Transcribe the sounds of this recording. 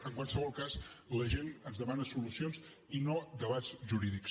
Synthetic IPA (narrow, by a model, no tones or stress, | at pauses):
əŋkwalˠsəβɔlˠkasləʒenənzðəmanəsulusionz | inod̪əβad͡zʒuɾiðiks